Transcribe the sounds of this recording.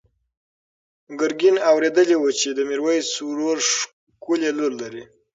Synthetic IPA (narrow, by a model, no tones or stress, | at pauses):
ɡʊɾɡinawɾed̪əlewut͡ʃed̪əmiɾwəjsuɾoɾʂ | kuleloɾlaɾi